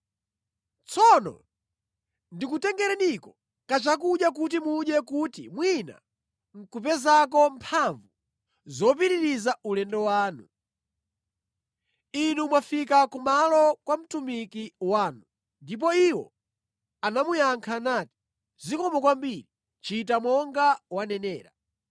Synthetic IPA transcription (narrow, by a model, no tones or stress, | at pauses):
t͡sɔnɔ̰ | ndikutɛŋɡɛɾɛnikɔ | kat͡ʃak̬uɗjak̬ut̬imuɗjɛkutḭmwina̰ | ŋ̩kupɛzak̬ɔmpʰaɱvu | zɔp̬iɾiɾizaulɛndɔwaːnu | inumwafikakumalɔkwam̩tumikiwaːnu | ndip̬ɔiwɔ̰ | anamujaŋkʰanaːti̥ | zikɔmɔkwambiːɾi | t͡ʃitamɔŋɡawanɛnɛːɾa̰